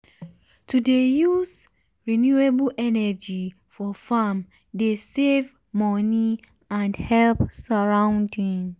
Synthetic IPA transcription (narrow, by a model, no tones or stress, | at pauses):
tʰudejuz | ɹinjueblʔɛnɛd͡ʒi | fɔfam | desev | mɔni | ãndhɛlpsaɹãʊ̃ndĩŋ